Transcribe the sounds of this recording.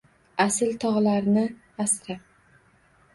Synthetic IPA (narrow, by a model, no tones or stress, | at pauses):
asɪlt̪ʰɒʁlaɾnɪ | asɾap̚